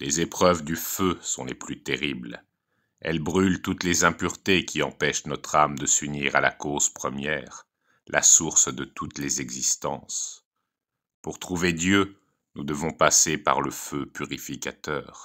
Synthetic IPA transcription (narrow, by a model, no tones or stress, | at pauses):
lezepχœvd̪yføsɔ̰̃leplyt̪eʁibl | ɛ̰lbʁylt̪ut̪lezɛ̃pyʁt̪ekʲiɑ̃pɛʃnɔt̪χamd̪əsyniʁala̰koz̥pχəmjɛːʁ | lʔa̰suʁsd̪ət̪ut̪lezɛɡzist̪ɑ̰̃s | puʁt̪χuved̪jø | nud̪əvɔ̃pasepa̰ʁləføpyʁifikʲat̪œ̰ːʁ